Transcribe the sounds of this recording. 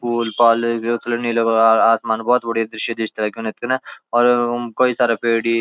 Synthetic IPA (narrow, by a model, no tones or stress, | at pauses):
kuːlpaːlːslɐniːloaːsmaːnbɔːt̪bɐɽid̪ɾɪʃid̪ɪʃt̪lakunet̪kɐnɐɔːɾkoːisaːɾapeːɽi